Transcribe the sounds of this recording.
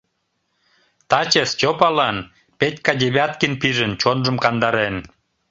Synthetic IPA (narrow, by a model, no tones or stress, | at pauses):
t̪ɑt͡ɕest͡ɕʲopɑlɑn | pet̪ʲkɑdʲeβʲɑt̪kinpiʒənt͡ɕonʒə̆mkɑnd̪ɑɾen